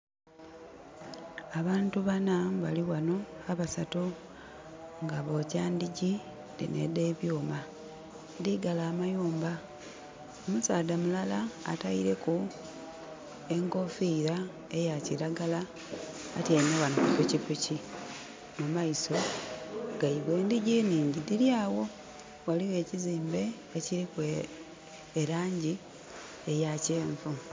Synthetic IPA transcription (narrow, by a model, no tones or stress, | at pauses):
aβaːntuβanaβaliwano̞aβasato | ŋɡaβo̞caːndiɟi | lḭnḛde̞ːβjuːma | ndiɡalaːmajuːmba | omusaːdamulala̰ːtaiɾe̞ku | e̞ŋko̞fiːɾa | ejaciɾaɡalaː | tiainaβanukupucipuci | mumaiso̞ | ɡ̥aiβwe̞ːndiɟiniːɲɟidiɾjaːwo̞ | waliwe̞ːciziːmbe̞ː | ciɾikweː | ɾaːɲɟi | ejaceːɱvu